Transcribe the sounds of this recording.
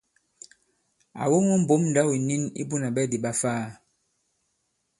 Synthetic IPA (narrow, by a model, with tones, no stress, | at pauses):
a̰˨wo˦ŋɔ˦m̩˨bo˨˦mn̩˨da˦wi˨ni˦nḭ˦bu˦na˨ɓɛ˦˨di˨ɓa˦faː˦˨